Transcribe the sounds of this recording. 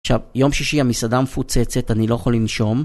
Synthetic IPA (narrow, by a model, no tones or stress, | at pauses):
ʃavjo̞mʃiʃiamisadamefut͡set͡setanilo̞jaχolinʃo̞m